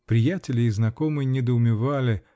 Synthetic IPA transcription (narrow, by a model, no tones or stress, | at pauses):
pɾʲɪjætʲɪlʲɪːznɐko̞mɨjnʲɪd̪əʊmʲɪvalʲɪ